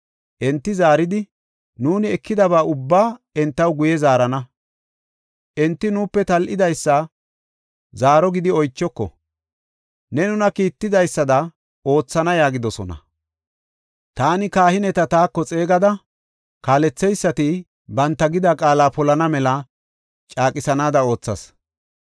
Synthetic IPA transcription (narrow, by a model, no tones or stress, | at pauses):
ʔɛnt̪ːɪzaːɾɪd̪ɪ | nuːnɪɛkːɪd̪ɐβaːʔʊbːaː | ɛnt̪ːɐwɡʊjɛzaːɾɐnɐ | ʔɛnt̪ːɪnuːpːɛt̪ɐlʔɪd̪ɐjsːɐ | zaːɾɔɡɪd̪ɪɔjt͡ʃːɔkːɔ̰ | nɛnʊnɐkiːt̪ːɪd̪ɐjsːɐd̪ɐ | o̞ːt͡sːɐnɐjaːɡɪd̪ɔsɔ̰nɐ̰ | t̪aːnɪkaːhɪnɛt̪ɐt̪aːkːɔt͡sʼe̞ːɡɐd̪ɐ | kaːlɛt͡sːɛjsːɐt̪ɪ | bɐnt̪ːɐɡɪd̪akʼaːlaːpɔlɐnɐmɛlɐ | t͡ʃʼaːkʼɪsɐnaːd̪ɐo̞ːt͡sːɐs